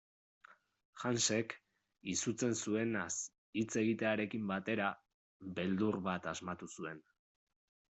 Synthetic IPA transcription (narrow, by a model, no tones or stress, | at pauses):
ʝanse̞k | isut͡se̞nsue̞nas | it͡se̞ɣ̞it̪e̞aɾe̞kimbat̪e̞ɾa | βe̞ld̪uɾβat̪azmat̪usue̞n